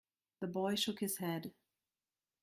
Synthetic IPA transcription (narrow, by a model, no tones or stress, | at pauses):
ðəbɔɪʃʊkhɨz̥hɛd̥